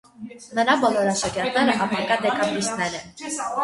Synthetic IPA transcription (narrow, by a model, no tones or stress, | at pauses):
nəɾɑbɔlɔɾɑʃɑkɛɾt̪ʰnɛɾəʔɑpʰɑkɑd̪ɛkɑmlist̪nɛɾɛ